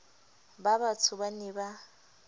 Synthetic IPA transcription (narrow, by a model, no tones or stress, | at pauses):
babat͡sʰʊbanɪba